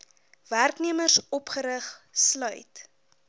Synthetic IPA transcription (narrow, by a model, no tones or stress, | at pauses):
værkniəmərsɔpχəɾəχslœɥt